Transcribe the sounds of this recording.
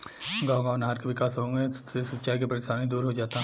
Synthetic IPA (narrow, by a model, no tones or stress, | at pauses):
ɡaːõɡaːnɦaːɾkeʋɪkaːsɦoɡẽesɐt̪ːʃaːikepɐɾɪsaːnĩd̪uːɾɦod͡ʒaːt̪a